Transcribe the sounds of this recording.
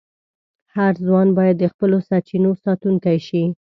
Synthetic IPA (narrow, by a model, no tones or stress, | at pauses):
haɾzwɑnbɑjad̪ːəxpəlosaɾt͡ʃinosɑt̪uŋkajʃi